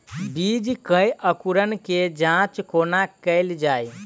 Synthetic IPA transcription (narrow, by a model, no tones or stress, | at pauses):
bid͡ʒkəjʔəkuɾənked͡ʒãt͡ʃkʰonakəɪld͡ʒaj